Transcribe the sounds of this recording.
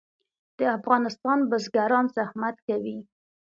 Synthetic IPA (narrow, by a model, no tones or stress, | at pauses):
d̪̥əafɣɑnɪst̪ɑnbəzɡaɾɑnzahmat̪kawi